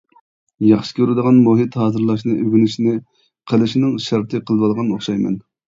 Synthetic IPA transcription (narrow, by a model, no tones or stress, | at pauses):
jɑχʃɨ̥kʲʰøɾɪd̪əʁɑnmoɦɨt̪hɑːzɨɾlˠɑʃnɨʔøɡʲynyʃnɪ | qʰəlˠɨʃnɪŋʃɑɾt̪ʰɨqʰəlˠvɑlˠʁɑnoχʃɑjmɛ̰n